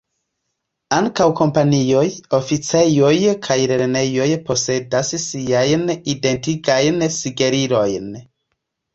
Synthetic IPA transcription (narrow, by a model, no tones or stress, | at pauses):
aŋkawko̞mpanio̞jo̞fit͡sejo̞jkʰajɾeɾne̞jo̞jpʰo̞se̞dassiajnide̞ntiɡajnsiɡe̞ɾiɾo̞jn